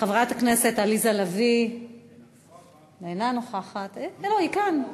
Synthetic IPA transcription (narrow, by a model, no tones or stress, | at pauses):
χavʁat̪haknese̞t̪alizalavi | enanoχaχat̪lohikan